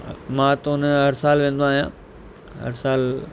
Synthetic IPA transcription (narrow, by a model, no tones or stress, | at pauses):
mãːt̪oʊnɦɐɾsaːlʋẽːnd̪oaːɦijãː | ɦɐ̰ɾsaːl